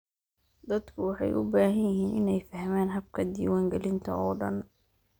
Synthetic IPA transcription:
d̪ɐd̪kʰʊwɑħɑ̰jʔʊbaːɦɐnjɪɦiːnʔɪnɛjfɐhmaːnɦɐb̚kʰɐd̪ḭːwaːŋɡɛlɪnt̪ʰɐɔːɖɐ̰n

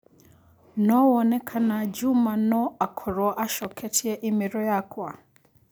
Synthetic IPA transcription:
nɔwɔnɛkʰanad͡ʒumanɔakʰɔɾɔʔaʃɔkʰɛtʰiɛʔimiɾɔjakʰwa

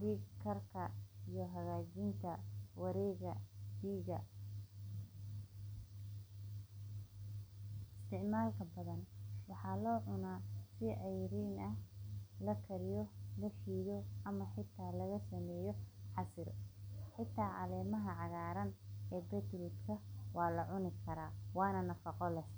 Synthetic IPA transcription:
d̪iːkʰɐrkʰɐijɔɦɐɣaːt͡ʃɪnt̪ʰɐwɑɾɛːɣɐd̪iːɣɐ | ɪst̪ʰɪʕmaːlkʰɐbɐðɐnwɑħɑlɔːʕʊnaːsɪʔɛjɾiːnɐhlɐkʰɐɾɪjɔlɐħiːðɔʔɐmɐħɪt̪ʰːaːlɐɣɐsɐmɛːjɔħɑsɪrħɪt̪ʰːaːʔɐlɛːmɐɦɐʕɑɣaːɾɐnʔɛːbɛt̪ɾɪt̪kʰɐwɑːlɐʕʊnɪkʰɐɾaːwɑːnɐnɐfɑqɔlɛs

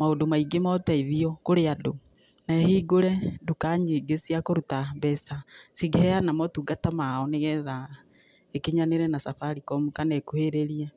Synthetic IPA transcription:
maodomaiɡemɔtaiðiɔkoɾeado | naɛhiɡoɾɛdukaɲiːɡesiakoɾutabɛsasiɡehɛanamɔtuːɡatamaɔneɣɛða | ekeɲaneɾɛnasafaɾikɔmukanakuheɾeɾiɛ

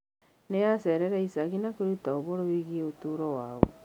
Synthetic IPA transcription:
nejaseɾeɾaisaɣinakoɾutaoβoɾoβiɣieotuɾɔwaːβo̰

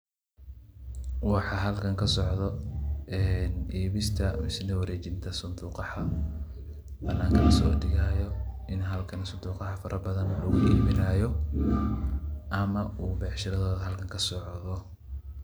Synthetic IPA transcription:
wɑħɑɦɐlkʰɐŋkʰɐsɔʕðɔɛːnʔiːβɪst̪ʰɐmɪsnɐwɐɾɛːt͡ʃɪnt̪ʰɐsʊnd̪uːqɑħɐ | bɐnːaːŋkʰɐnɐsɔːdɪɣaːjɔʔɪnɦɐlkʰɐnsʊnd̪uːqɑhɐfɐɾʔɐbɐðɐnlɐɣʊʔiːmɪnaːjɔ | ʔɐmɐuːbɛħʃɪɾɐðɔːðɐɦɐlkʰɐŋkʰɐsɔʕðɔ

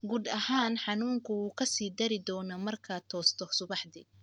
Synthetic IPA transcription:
ɡuːd̪ɐhaːnħɑnuːŋkʰʊwuːkʰɐsiːd̪ɐɾɪd̪ɔːnɔmɐrkʰaːt̪ʰɔːst̪ʰɔsʊβɑħd̪ḭː

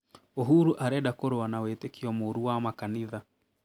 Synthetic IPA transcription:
oɦuɾuʔaɾɛɗakoɾowanawetekiɔmoɾuwamakaniða

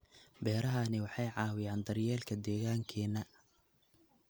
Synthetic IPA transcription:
bɛːɾɐɦɐnɪwɑħɑjʕɑːwɪjaːnd̪ɐrjɛːlkʰɐd̪ɛːɣaːŋkʰɛːnːɐ

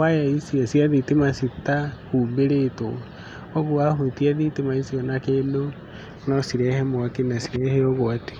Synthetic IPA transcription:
wajaisiasiaðitemasitahuːmbeɾeto̰ | oɣoahutiaðitemaisiɔnakeno | nɔsiɾɛhɛmoakenasiɾɛhɛoɣoate̥

